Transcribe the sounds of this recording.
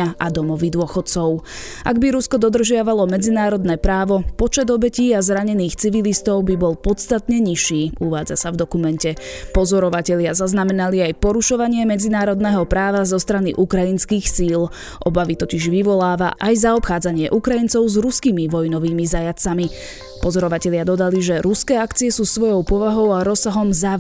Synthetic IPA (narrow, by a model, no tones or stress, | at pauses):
aʔad̪ɔmɔʋid̪ʊɔxɔt̪t͡sɔʊ | ʔaɡbiɾuskɔd̪ɔd̪r̩ʒɪaʋalˠɔmɛd͡zinaːɾɔd̪nɛːpɾaːʋɔpɔt͡ʃɛd̪ɔbɛciːazɾaɲɛniːxt͡siʋilist̪ɔʊbibɔlˠpɔt̪st̪at̪ɲɛɲiʃiːuʋaːd͡za̰savd̪ɔkumɛncɛpɔzɔɾɔʋacɛʎɪazaznamɛnaliajpɔɾuʃɔʋaɲɪɛmɛd͡zinaːɾɔd̪nɛːɦɔpɾaːʋazɔst̪ɾanḭʔukɾainskiːxsiːl | ʔɔbaʋit̪ɔciʒʋiʋɔlaːʋa̰ʔajzaɔpxaːd͡zaɲɪɛʔukɾaint͡sɔʊzɾuskimiʋɔjnɔʋiːmizajat͡sami | pɔzɔɾɔʋacɛʎɪad̪ɔd̪aliʒɛɾuskɛːakt͡siɛsuːsʋɔjɔʊpɔʋaɦɔʊaɾɔsaɦɔmza